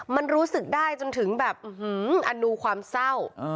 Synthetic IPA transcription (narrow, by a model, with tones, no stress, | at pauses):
ma˧nɾuː˦˥sɯ˨˩k̚daː˥˩jt͡ɕo˧nt̪ʰɯ˩˦ŋbɛː˨˩p̚ʔɯ˧hɯː˦˩ʔa˧nuː˧kʰwaː˧msa˥˩w